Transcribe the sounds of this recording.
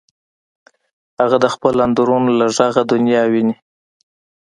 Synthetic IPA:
haɣad̪əxpəland̪uɾunolaʒaɣad̪ʊnjɑwini

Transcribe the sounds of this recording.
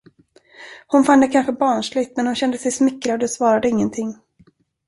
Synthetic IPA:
hʊnfand̪ɛkʰanɧəbɑːɳʂlɪɡt̪mɛnhʊnɕɛnd̪əsɛjsmɪkːɾad̪ɔsvɑːɾad̪əɪŋːənt̪ʰɪŋː

